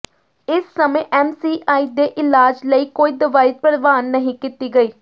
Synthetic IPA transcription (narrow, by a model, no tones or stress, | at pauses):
ɪsːəmẽːʔɛːmsiːʔaːiːd̪eːʔɪlaːd͡ʒləiːkoːiːd̪əʋaːit̪̚pəɽʋaːnːəɦĩːkit̪iːɡəiː